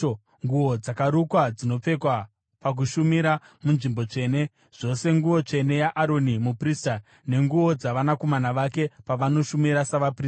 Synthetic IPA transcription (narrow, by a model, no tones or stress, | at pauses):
ŋɡuo̞d͡zakaɾukwad͡zino̞p͡fe̞kwa | pak̬uʃumiɾa | munʐimbo̞t͡ʂe̞ːne̞ | ʐ̥o̞se̞ŋɡuʋo̞t͡ʂe̞ne̞jaʔaɾo̞nimuprista | ne̞ŋɡuo̞d͡zaʋanako̞manaʋake̞paʋano̞ʃumiɾasaʋapriː